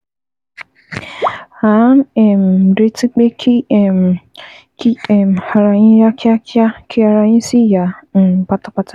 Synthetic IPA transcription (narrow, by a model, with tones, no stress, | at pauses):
ha˨˦nɛ˨m̩˨ɾe˦ti˦k͡pe˦kʰ | ki˦˨m̩˨ha˨ɾa˨ɲĩ˦ja˦kja˦ka˦kʰi˦a˨ɾa˨ɲĩ˦si˦ja˨k͡pa˨ta˨k͡pa˦tʰa˦